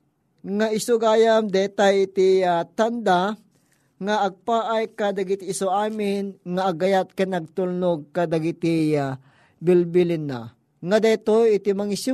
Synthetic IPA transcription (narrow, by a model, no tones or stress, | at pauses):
ŋaʔɪsoɡaːjamd̪ɛːt̪ajɪt̪iat̪and̪a | ŋaʔːɡ̚paːʔajkad̪ɐɡit̪iːsoʔaːmɪnŋaʔːɡɐjat̪̚kanɐɡ̚t̪ulnoɡ̚kad̪aɡit̪ia | bilbilɪna̰ | ŋad̪ɛt̪ojɪt̪imaŋis